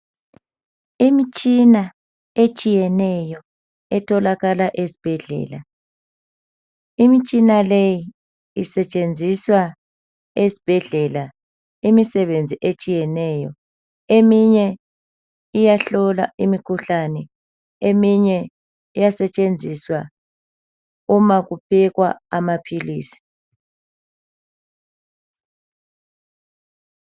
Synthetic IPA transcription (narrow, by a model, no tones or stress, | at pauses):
imit͡ʃʼina | et͡ʃʼijɛnɛjɔ | ɛtʰɔlaɣalaʔesi̥b̥ʱɛɮɛ̰ːla | imit͡ʃʼinaleji | isɛt͡ʃʼend͡zʱiswa | esi̥b̥ʱɛɮɛla | imisɛβend͡zʱiʔet͡ʃʼijɛnɛjɔ | emiɲɛ | ijaɬɔla̰imikʰuɬanɛ | emiɲɛ | ijasɛt͡ʃʼend͡zʱiswa | umaɣupʰiɣwa̰amapʰiliːsi̥